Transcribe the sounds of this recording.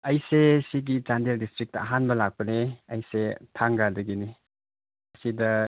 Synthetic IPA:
ɐjsesiɡit͡ʃandeldistɾik̚tɐːɦanbɐlak̚pɐneɐjsetʰaŋɡadɐɡini | ɐsidɐ

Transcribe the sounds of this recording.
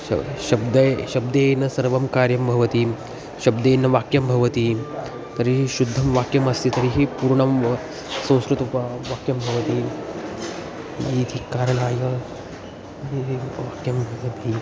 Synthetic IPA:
ɐ̰ʃɐbd̪ɐʃɐb̚d̪eːnɐsɐɾʋɐmkaːɾjɐmbʱɐʋɐt̪i | ʃɐbd̪eːnɐʋaːkjɐmbʱɐʋɐt̪i | t̪ɐɾiɦiʃud̪ʱːɐmʋaːkjɐmɐst̪it̪ɐɾiɦipuːɾɳɐm | sɐ̃w̃skɾut̪ɐpɐʋaːkjɐmbʱɐʋɐt̪i | iːt̪ʰikaːɾɐɳ̃aːjɐ | ɐiɦʋaːkjɐmbʱɐʋɐt̪i

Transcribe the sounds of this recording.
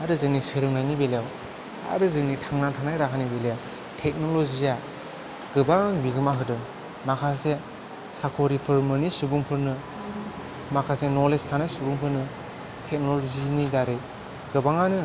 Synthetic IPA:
aɾɯzɯŋnisɯɾɯŋnajnibelejaw | a̰ɾɯzɯŋnitʰaŋnatʰaŋnajɾakʰanibelejaw | tʰek̚nolozia | ɡ̥ɯbaŋŋbiɡɯmaɦɯdɯ | makʰase | sakʰoɾipʰɯɾmɯnisubuŋpʰɯɾnɯ | makʰasenɔlestʰanajsubuŋpʰɯɾnɯ | tʰek̚nolozinidaɾej | ɡ̥ɯbaŋanɯ

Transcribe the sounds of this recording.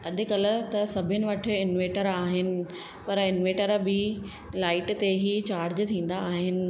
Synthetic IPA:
ɐʄʊ̆kɐl̆t̪ɐsɐbʱɪnɪ̆ʋɐʈʰɪ̆ɪnʋeːʈəɾaːɦɪnɪ̆ | pɐɾɪnʋeːʈəɾbʱɪ | laːɪʈt̪eɦit͡ɕaːɾd͡ʑt̪ʰĩːn̆d̪aːɦɪnɪ̆

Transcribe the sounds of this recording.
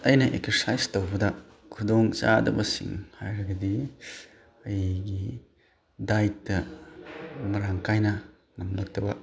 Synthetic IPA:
ɐjnɐʔekseɾsajstowbɐdɐ | kʰudoŋt͡ʃadɐ̰bɐsḭŋhajɾɐɡɐdi | ɐjɡi | dajtːɐ | mɐɾaŋkajnɐ | nɐmnɐk̚tɐbɐ

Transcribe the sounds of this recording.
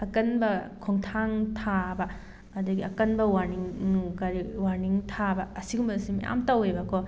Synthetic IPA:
ɐkɐnbɐkʰɔŋtʰaŋtʰabɐ | ɐdɐɡiɐkɐnbɐwaɾniŋnukaɾiwaɾniŋtʰabɐːsiɡumbɐsimɐ̰ja̰mtawejbɐkɔ

